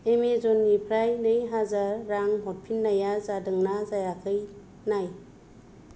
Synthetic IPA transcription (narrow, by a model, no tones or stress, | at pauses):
emezonɡipʰɾajnɯjɦazaɾːaŋɦopʰinːajazadɯŋnazajakʰɯj | naj